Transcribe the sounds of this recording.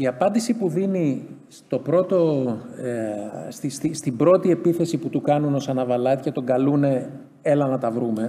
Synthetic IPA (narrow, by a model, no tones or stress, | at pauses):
iɐpɐnd̪isipuðinist̪o̞pɾo̞t̪o̞ | st̪ist̪ist̪ibɾo̞t̪ie̞piθe̞siput̪ukɐnuno̞sɐnɐvɐlɐt̪cet̪o̞ɡɐlune̞ | e̞lɐnɐt̪ɐvɾume̞